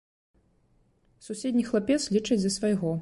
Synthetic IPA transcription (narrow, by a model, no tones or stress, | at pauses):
susʲɛd̪ʲnʲixlˠapʲɛt̪slʲit͡ʂɐd͡zʲd̪ɐsvajɣɔ